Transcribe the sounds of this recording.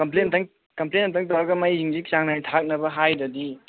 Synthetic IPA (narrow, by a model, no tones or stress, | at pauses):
kɐmplentʰɐŋ | kɐmplenːɐtʰaŋt̬ɐwɾɐɡɐmajːiŋziksaŋnantʰak̚nɐbɐɦajdɐdi